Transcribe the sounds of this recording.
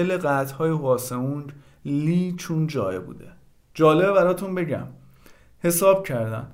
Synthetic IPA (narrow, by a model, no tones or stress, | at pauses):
eleɢæt̪hɒːjevɒːsemun | liːt͡ʃʰund͡ʒɒːjebṵːd̪e | d͡ʒɒːle̞bebæɾɒːt̪ʰunbe̞ɟæ̰m | he̞sɒːb̥̚cʰæɾd̪æ̰n